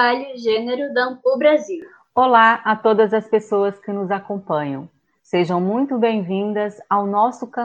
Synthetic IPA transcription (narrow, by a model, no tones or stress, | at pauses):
aʎʊʒeneɾʊd̪ɐ̃pʊbɾaziw | olaat̪od̪ɐzɐspesoɐskɪnʊzakõpɐ̃ɲɐ̰̃w̃ | seʒɐ̃w̃mũj̃t̪ʊbẽj̃vĩnd̪ɐzawnɔsʊkɐ̃